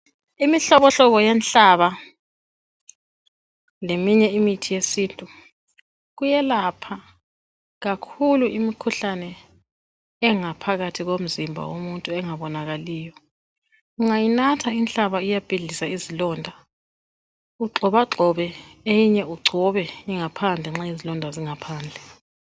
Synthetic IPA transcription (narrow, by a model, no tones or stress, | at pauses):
imiɬɔβɔɬɔβɔjɛnɬaβa | lemiɲɛimitʰijesiːntʼu | ɣujɛlapʰa | ɣakʰuluimikʰuɬanɛ | ɛŋapʰaɣatʰiɣom̩zimbʱa̰womuntʼuɛŋaβɔnaɣaliːjɔ | uŋajinatʰaint͡ɬaβaijab̥ʱiɮisaizilɔːndʱa | uǁʱɔβaǁʱɔβɛejiɲɛuɡ͡ǀʱɔβɛjiŋapʰand͡ɮʱɛŋ͡ǁaizilɔndʱaziŋapʰaːnd͡ɮʱɛ